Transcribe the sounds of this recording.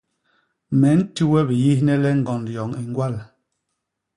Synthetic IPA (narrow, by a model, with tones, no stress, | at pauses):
mɛ˨˦n̩˦tu˦wɛ˦bi˨ji˦hnɛ˦lɛ˦ŋ̩˦ɡɔ˨nljɔ˨ŋi˨ŋ˦ɡwa˦˨l